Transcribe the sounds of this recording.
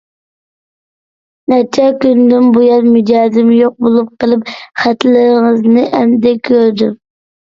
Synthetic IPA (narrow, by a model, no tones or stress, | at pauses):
nɛt͡ʃʰɛkʲynd̪ɪmbujɑnmyd͡ʒɑːzɪmjoq̚bolˠup̚qəlˠɨp̚χæt̪lɪɾɪŋəznɨʔɛmd̪ɛkʲʰːøɾd̪ym